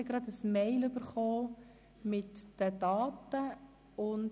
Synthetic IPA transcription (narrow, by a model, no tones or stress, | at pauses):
ɪɡɾɑd̪əsmɛɪlʏbəɾχoː | mɪtd̥ədɑːtə | ʊn